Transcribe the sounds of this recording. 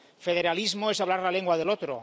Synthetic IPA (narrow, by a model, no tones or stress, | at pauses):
feð̞eɾalizmoesaβlaɾlaleŋɡwaðelot̪ɾo̰